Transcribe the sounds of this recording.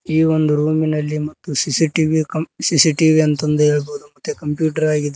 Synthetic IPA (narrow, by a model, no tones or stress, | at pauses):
iːʋond̪uɾuːminɐlːimɐt̪ːusisiʈiʋikɐsisiʈiʋiɐnt̪ɐnd̪ue̞ːɭboːd̪umɐt̪ːjekɐmpjuːʈɐɾaːɡid̪e